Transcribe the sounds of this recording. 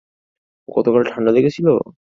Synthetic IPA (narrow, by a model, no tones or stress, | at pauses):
ɡɔt̪okalʈʰaɳɖad̪ekʰet͡ɕʰilo̰